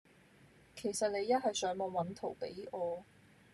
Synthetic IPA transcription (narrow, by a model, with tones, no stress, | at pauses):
kʰe˨˩jsɐ˨t̚le˨˧jːɐ˥t̚ɦɐ˨jsœː˨˥ŋmɔː˨˧wɐ˨˥nt̪ʰo˨˩wpe˨˥jʔɔː˧